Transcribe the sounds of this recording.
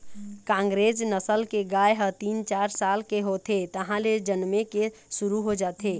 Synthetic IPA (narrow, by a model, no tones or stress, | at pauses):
kãŋɡɾed͡ʒnəsəlkeɡajɦət̪int͡ʃaɾsalkeɦot̪ʰet̪əɦãled͡ʒənmekesuɾuɦod͡ʒat̪ʰe